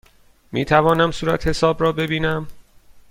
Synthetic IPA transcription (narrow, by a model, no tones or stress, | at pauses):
mḭːt̪ʰævɒːnæmsuːɾæ̰t̪he̞sɒːbrɒːbe̞biːnæm